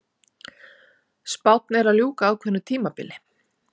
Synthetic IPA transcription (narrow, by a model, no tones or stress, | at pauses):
spawt̪̚nɛɾaðljuːkaːðkʰvɛnːʏt̪ʰiːmapɪ̰lɪ